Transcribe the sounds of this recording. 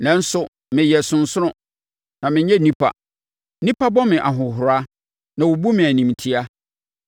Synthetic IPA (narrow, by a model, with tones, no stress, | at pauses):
nã˦n̩˦sʊ˦ | mɪ̃˨jɛ˨sʊ̃˨nsʊ˦ɾʊ̃˦˨ | nã˨mɪ̃˨ɲɛ̃˦˨nĩ˦pʰa̰˨ | nĩ˦pʰa˦bɔ˦mɪ̃˨ʔa˨ɦʊ̃˨ɦʊ˨ɾa˦ | nã˨wo˨bu˦mɪ̃˨æ˨nĩ˨mtʰi˦a˦